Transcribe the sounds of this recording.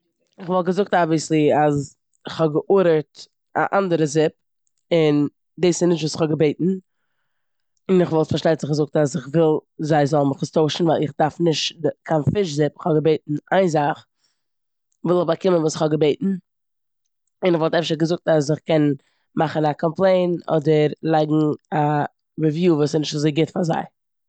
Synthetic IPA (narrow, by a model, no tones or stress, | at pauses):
ɪχvɔlˠtɡəzʊk̚tabɪslˠiaz | ɪχhɔbɡəʔuɾəɾt | a̰ʔandəɾəzɪp̚ | ɪn | diːsɪnɪʃtvuːsɪ̥χhɔɡəbeɪtn̩ | ɪnɪχvɔlˠtfaɾʃtaɪtz̥ɪχɡəzʊk̚tas̬ɪχvɪlˠzaɪzɔlˠməχəstoʊʃn̩vaɪlˠɪχdaɾfnɪʃtkʰanfɪʃ̬zɪpɪχhɔɡəbeɪtn̩aɪnzaχ | vɪlˠəχbakɪmənvuːsɪχhɔɡəbeɪtn̩ | ɪnɪχvɔlˠtɛfʃəɡəzʊk̚tas̬ɪχkɛn | maχən̩akʰɔmplˠeɪnɔ̰dəɾlˠaɪɡŋ̩a | ɾivjuːvuːsɪnɪʃtvuszeɪɡɪtfaza̰ɪ